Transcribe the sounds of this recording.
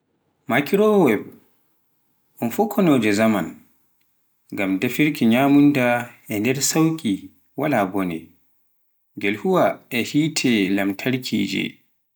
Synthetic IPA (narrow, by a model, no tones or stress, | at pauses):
makʰiɾɔwɛb | ʔɔnfɔkʰːɔnɔːd͡ʒɛzaman | ɡamdafiɾkiɲaːmundaʔɛndɛɾsawkʲʼi | walabɔnɛ | ɡɛlhuwaɛhiːtʰɛlamtʰaɾkʰḭːd͡ʒɛ̰